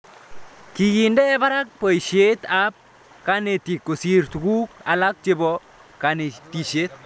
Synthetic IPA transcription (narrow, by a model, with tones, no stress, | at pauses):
ki˨ɡi˨ndɛ˦ba˦ɾa˦k̚po˨i˨ʃje˦t̪a˦p̚ | ka˦ne˨ti˨kːo˨si˦ɾtu˨ku˦ka˨la˦k̚t͡ʃɪ˦bɔ | ka˨ne˨ti˨ʃe˦t̪̚